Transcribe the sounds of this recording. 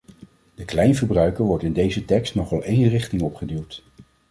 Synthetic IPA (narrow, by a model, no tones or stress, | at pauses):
d̥əklɛjnvəɹbrœɥkəɹʋɔɹtɪndejzətɛkstnɔχɑlˠejnrɪχtɪŋɔpχədiwˠt